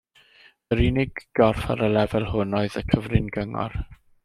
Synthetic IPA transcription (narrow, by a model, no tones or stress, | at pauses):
əɾinɪɡɡ̥ɔrfa̰ɾəlɛvɛlˠɦʊnɔɨðəkʰəvrɪnɡəŋɔ̰r